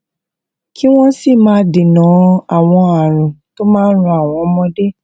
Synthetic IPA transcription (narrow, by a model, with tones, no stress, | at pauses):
kʰi˦w̃ɔ̃˦si˦˨mãː˨˦de˨nã˨˦a˦˨w̃ɔ̃˧a˨ɾ̃ũ˨to˦mãː˦ɾũ˧a˦˨w̃ɔ̃˨˧˦mɔ̃˧de˦